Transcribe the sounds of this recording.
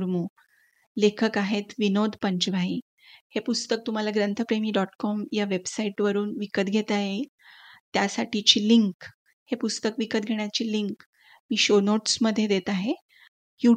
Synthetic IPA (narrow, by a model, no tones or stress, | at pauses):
ɾmu | lekʰəkaɦet̪ʋinod̪ʱpəɲt͡ɕʋai | hepust̪ək̚t̪um̤alaɡɾənt̪ʰəpɾemiːɖɔʈkɔmjaʋebsaiʈʋəɾuːnʋikət̪̚ɡʱet̪aje | t̪jasaʈit͡ɕiːliŋk | hepust̪əkʋikət̪̚ɡʱeɳ̃jat͡ɕiːliŋk | miːɕonoʈsməd̪ʱːjed̪et̪aɦe | ju